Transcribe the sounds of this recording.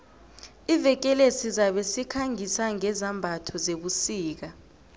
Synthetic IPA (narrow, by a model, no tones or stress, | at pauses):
ivɛk̬ʼɛlesizaɓesikʰaŋisaŋɛzambʱatʰɔzeɓusiːk̬a